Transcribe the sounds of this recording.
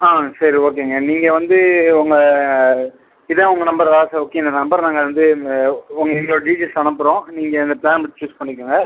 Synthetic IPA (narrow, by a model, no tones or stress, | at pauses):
aːsɐɾioːk̬ːeːŋɡɐniːŋɡɐʋɐnd̪ɯʊŋɡɐ | ɪðɐ̃ʊŋɡɐnɐmbɐɾðaːsɐoːkːeːɪnd̪ɐnɐmbɐɾnaːŋɡɐʋɐnd̪ɯ | ʊŋɡɐɪŋɡɭoːɖiːd͡ʒisɐɳɐpːɯɾõːniːŋɡɐɪnd̪ɐplaːnmɪʈ̚t͡ʃuːspɐɳːɪk̬ːɯŋɡɐ